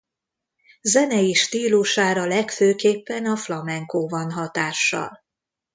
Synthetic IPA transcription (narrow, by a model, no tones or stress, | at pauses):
zɛnɛiʃt̪iːluʃaːɾɒlɛkføːkeːpːɛnɒflɒmɛŋkoːvɒnɦɒt̪aːʃːɒ̰l